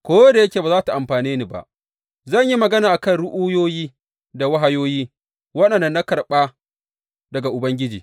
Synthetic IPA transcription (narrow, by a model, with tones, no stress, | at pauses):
kʷoː˦da˨jɐ˦kʲeː˨baː˨zaː˦ta˨ʔa˨mɸaː˨niː˦ni˨ba̰˨ʔ | zɐ˦˨ɲji˦mɐ˨ɡɐ˦naː˨ʔa˨kɐ˦˨nɽʊ˦ʔu˦joː˦jiː˦ | da˨wa˦ɦa˦joː˦jiː˦ | wɐ˦ɗɐ˨nːɐ˦nːa˦kɐ˨ɾɓa˦ | dɐ˨ɡa˨ʔʊ˨bɐ˦ŋɡʲɪ˦d͡ʒiː˨